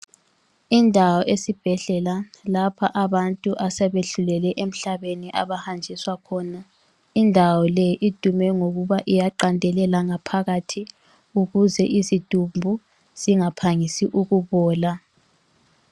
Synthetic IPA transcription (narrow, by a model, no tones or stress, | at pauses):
indʱawɔʔesib̥ʱɛɮɛlalapʰaʔaβantʼuʔasɛβeɬulɛlɛʔem̩ɬaβeniʔa̰βahand͡ʒʱiswakʰɔːna | indʱawɔlɛʔid̥ʱumɛŋoɣuβaʔijaǃandʱɛlɛlaŋapʰaɣatʰi | uɣuzɛʔisid̥ʱumbʱu | z̥iŋapʰaŋisiʔuɣuβɔːla